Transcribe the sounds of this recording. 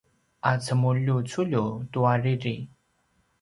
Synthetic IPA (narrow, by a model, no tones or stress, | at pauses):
ʔat͡səmulut͡suʎutuaɹiɾi